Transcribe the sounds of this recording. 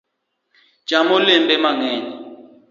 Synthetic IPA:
t͡ʃamolɛmbɛmaŋɛːni

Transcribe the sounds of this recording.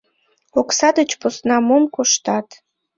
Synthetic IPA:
oksɑd̪ət͡ɕposnɑmomkoʃt̪ɑt̪

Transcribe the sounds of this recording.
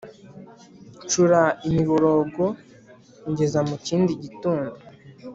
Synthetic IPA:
t͡ʃuɾaimiβoɾoɡo | ɲɟe̞zamuciːndiɟituːndu

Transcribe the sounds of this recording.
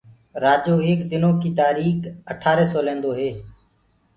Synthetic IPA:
ɾaːd͡ʒoːeːkd̪ɪnõːkiːt̪aːɾiːkəʈʰaːɾeːsoːlẽːnd̪oːɦeː

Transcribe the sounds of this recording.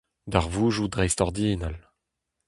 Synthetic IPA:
d̪aʁvuːʒud̪ʁɛjst̪ɔʁd̪iːnal

